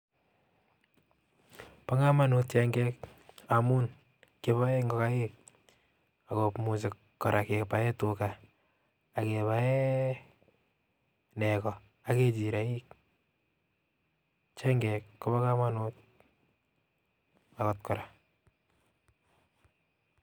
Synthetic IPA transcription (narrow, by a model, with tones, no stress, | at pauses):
pa˦ŋa˦ma˦nut̚t͡ʃɛŋɡɛka˨mu˦n | ke˨βa˦ɛ˦ŋɡɔ˨ka˦jek̚ | a˨kɔpmus̬ɪ˨k | kːɔɾʔa˨ke˨kpa˨ɛ˦tukaː˨ | keβaɛ˦ | nɛ˨kɔ | a˨ke˦t͡ʃi˨ɾa˨i˦k̚ | t͡ʃɛ˦ŋɡɛkko˦ba˦ka˦ma˦nut̚ | a˨kɔ˨t̚kɔ˨ɾa